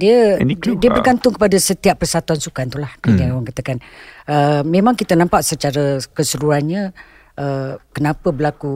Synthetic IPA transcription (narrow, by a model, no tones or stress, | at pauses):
diədiəbərɡant̪ʊŋkəpadasət̪iapːərsat̪uansukant̪ulahkədiaŋawaŋkat̪akanəmẽmãŋkit̪ənãmpaʔsət͡ʃaɾəkəsəɾuanɲə̃ | ʔəkənãpəbəlaku